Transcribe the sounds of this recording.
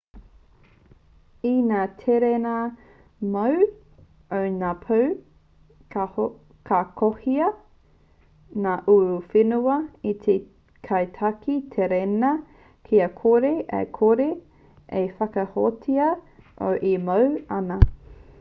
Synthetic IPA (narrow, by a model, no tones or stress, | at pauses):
inaːtʰeɾenɐ | mɐw | ownaːpʰɐw | kʰakʰohiɐ | naːʔuɾufenuɐit̪ʰe | kʰɐjtʰɐkit̪ʰeɾenɐ | kʰiɐkʰoɾeʔɐ̰kʰoɾe | ʔefɐkɐhotʰiɐʔo̰wʔemɐwɐnɐ